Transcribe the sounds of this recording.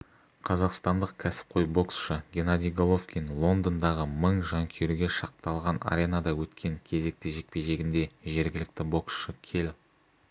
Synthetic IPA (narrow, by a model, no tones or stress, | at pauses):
qʰɑzɑqst̪ɑnd̪əqkʲʰæsɪ̥p̚qʰo̞jbo̞ksʃəɡʲe̞nad̪ʲijɡolˠofkʲinlˠo̞nd̪ənd̪ɑʁəməɴʒɑŋkʲʰeɾuɡʲe̞ʃɑqt̪ɑlˠʁɑna̰ɾʲe̞nad̪ɑwɵt̪kʲʰe̞ŋkʲʰe̞ze̞k̚t̪ɪʒe̞k̚pe̞jʒe̞ɡʲɪnd̪e̞ʒe̞ɾɡʲɪlɪk̚t̪ɪbo̞ksʃəkʲʰe̞l